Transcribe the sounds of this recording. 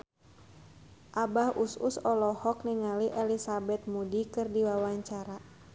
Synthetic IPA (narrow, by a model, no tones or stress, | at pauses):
ʔabahususɔlɔhɔk̚niŋaliʔɛlisabɛt̪̚mudikɨrdiwawaɲt͡ʃaɾa